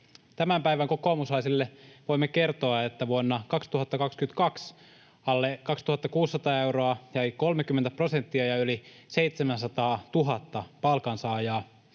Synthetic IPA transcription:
t̪æmæmpæiʋæŋko̞koːmuslɑisilːeʋo̞imːeke̞rt̪oɑet̪ːæʋuonːɑkɑkst̪uɦɑt̪ːɑkɑkskyment̪kɑks | ɑlːekɑkst̪uhɑt̪ːɑkuːsːɑt̪ɑːewɾoɑjɑjko̞lmek̟ymːent̪æpro̞sent̪ːiɑjɑyli | seit̪semænsɑt̪ɑːt̪uɦɑt̪ːɑpɑlkɑnsɑːjɑː

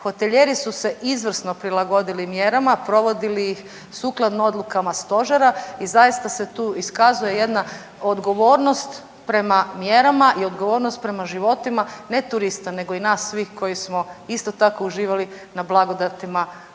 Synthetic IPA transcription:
xo̞t̪e̞ʎe̞ɾisuse̞ʔizʋr̩sno̞pɾilaɡo̞d̪ilimje̞ɾamapɾo̞ʋo̞d̪ilijix | suːklˠad̪noo̞d̪lˠukamast̪o̞ʒeɾaizajist̪ase̞t̪uːiskazuje̞je̞d̪na | od̪ɡo̞ʋo̞ːɾno̞st̪ | pɾe̞mamje̞ɾamaʔio̞d̪ɡo̞ʋo̞ɾnost̪̚pɾe̞maʒiʋo̞t̪imane̞t̪uɾist̪ane̞ɡo̞inaːsːʋiːxko̞jismo̞ist̪o̞t̪ako̞uʒiːʋali | nablˠaɡo̞d̪at̪ima

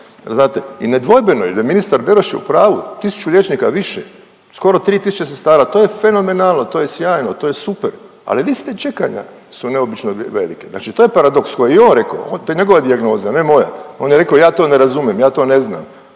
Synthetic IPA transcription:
jeɾznaːt̪eined̪ʋo̞jbenoḭld̪aminist̪aɾbe̞ɾoʃjḛṵpɾaːʋṵt̪isu̥t͡ʃulʎʲjet͡ʃnikaʋiʃḛ | sko̞ɾo̞t̪ɾiːt̪isu̥t͡ʃesest̪aːɾat̪oːje̞fe̞no̞me̞naːlˠno̞t̪o̞ːjesjaːjnot̪o̞ːjesupeɾ | a̰lilist̪et͡ʃe̞ka̰ɲa̰ | sune̞o̞bit͡ʃnoʋḛlikezna̰ːt͡ʃit̪oːje̞paɾad̪o̞kskojeio̞ːnɾe̞ka̰o̰ont̪ojeɲeɡo̞ʋad̪iaɡno̞ːzianemo̞ja̰o̞njeɾekaojaːt̪o̞ːne̞ɾazumjemjaːt̪o̞ːne̞zna̰ːm

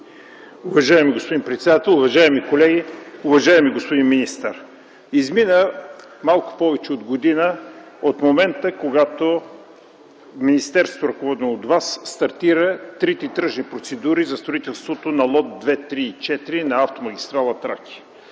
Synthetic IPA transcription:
uvɐʒaɛmiɡospod̪inpɾɛt̪sɛd̪at̪ɛlˠʊvɐʒaɛmikolɛɡʲiʊvɐʒajɛmiɡospod̪inminist̪əɾ | izminə | malˠkʊ̥pɔvɛt͡ʃɛod̪ɡod̪inə | ot̪momɛnt̪əkoɡat̪o | minist̪ɛɾst̪oɾɐkovɔd̪ɛnood̪vasːt̪ɐɾt̪iɾət̪ɾit̪ɛt̪ɾəʒnipɾot̪sɛd̪uɾizɐst̪ɾoʊit̪ɛlˠst̪vot̪onɐlˠɔt̪̚d̪vɛt̪ɾiːt͡ʃɛt̪iɾinɐaft̪omɐɡʲist̪ɾalˠɐt̪ɾakʰʲi̥

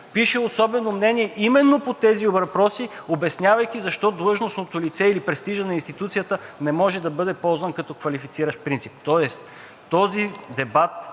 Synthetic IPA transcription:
piʃɛosɔbɛnomnɛniɛʔimɛnːopot̪ɛziobɾɐpɾɔsiobɛsnʲavɐjk̟ʲizɐʃt̪ɔd̪lˠɤʒnosnot̪olit̪sɛilipɾɛst̪iʒɐnɐinst̪it̪ut̪sijət̪ənɛmɔʒɛd̪ɐbɤd̪ɛpɔlˠzvɐnkɐt̪ɔkvɐlifit̪siɾəʃt̪pɾint̪sip̚t̪ɔɛs | t̪ɔzid̪ɛbat̪

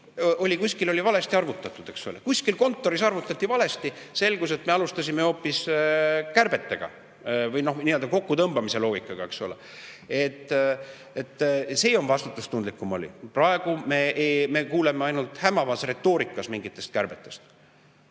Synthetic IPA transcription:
ʔo̞lʲikusʲkilo̞lʲivɑle̞st̪iɑrvut̪ːˑɑt̪ːˑud̪̥e̞ksolekusʲkilko̞nt̪ːˑo̞ɾisɑrvut̪ːˑɑt̪ːivɑle̞st̪ise̞lɡuse̞t̪meɑlust̪ɑsʲime̞o̞ːpːˑis | kærb̥e̞t̪ːe̞ɡ̥ɑ̰ | vɯjno̞hniø̞ld̪ɑko̞kːut̪ɤmb̥ɑmise̞lo̞ːɡ̥ikːˑɑɡ̥ɑe̞ksule̞̰ | e̞t̪ːˑ | et̪ːˑseːo̞nvɑst̪ut̪ːˑust̪und̪likːˑumo̞̰lʲḭprɑeɡ̥ume̞eme̞kuːle̞meɑjnult̪hæmɑvɑsre̞t̪ːo̞ːɾikːˑɑsmiŋɡit̪ːˑe̞st̪̚kæɾb̥e̞t̪ːˑe̞st̪

